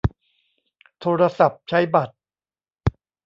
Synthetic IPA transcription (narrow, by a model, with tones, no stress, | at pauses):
t̪ʰoː˧ɾa˧sa˨˩p̚t͡ɕʰa˦˥jba˨˩t̪̚